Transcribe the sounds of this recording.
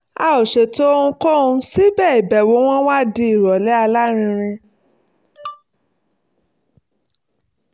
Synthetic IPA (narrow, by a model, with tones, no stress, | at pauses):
a˧˨o˨ʃe˨to˦o˦˧ũ˧ko˦ũ˧si˦bɛ˦˨i˨bɛ˨wo˨˦w̃ɔ̃˦wa˦˨di˧i˦˨ɾɔ˨lɛ˦a˧la˦ɾ̃ĩ˧ɾ̃ĩ˧